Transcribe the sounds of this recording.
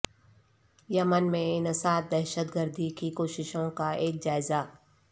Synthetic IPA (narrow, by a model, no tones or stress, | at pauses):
jɐmənmẽɪnəsaːt̪̚d̪ɛːʃət̪ɡəɾd̪ʱikikoːʃɪʃõkaeːk̚d͡ʒaːɪza